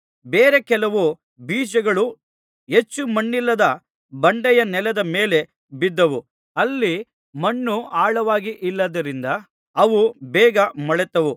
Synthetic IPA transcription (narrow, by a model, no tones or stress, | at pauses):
beːɾe̞kɛlɐʋu | biːd͡ʒɐɡɐɭu | ɦe̞t͡ʃːumɐɳːilːɐd̪ɐ | bɐɳɖɛjɐnɛlɐd̪ɐmeːle̞ | bid̪ːɐʋu | ɐlːi | mɐɳːuʔaːɭɐʋaːɡiʔilːɐd̪ɐɾind̪ɐ | ɐʋubɛːɡɐmɐɭɛt̪ɐʋu